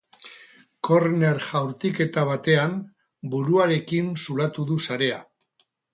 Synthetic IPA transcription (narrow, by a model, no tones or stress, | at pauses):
ko̞ɾne̞ɾʝawɾt̪ike̞t̪aβ̞at̪e̞am | buɾuaɾe̞kinsulat̪uðusaɾe̞a